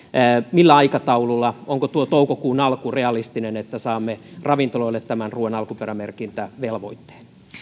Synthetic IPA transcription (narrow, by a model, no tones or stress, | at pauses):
milːæɑikɑt̪ɑululːɑoŋkot̪uot̪oukokuːnɑlkureɑlist̪inenet̪ːæsɑːmːerɑʋint̪oloilːet̪tːæmænruːenɑlkuperæmerkint̪æʋelʋoit̪ːe̥ːn